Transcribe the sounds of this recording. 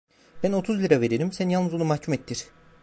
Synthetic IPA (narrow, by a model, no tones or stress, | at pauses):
b̥æno̞t̪ʰuzlʲiɾave̞ɾeɾimsænjalˠnɯzonumahcʰumet̪ʰːiɾ̥